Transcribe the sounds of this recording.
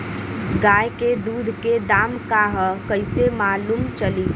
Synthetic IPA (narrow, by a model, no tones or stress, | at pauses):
ɡaːjked̪uːd̪ʱked̪aːmkaɦəkəɪsemaːlumt͡ʃəli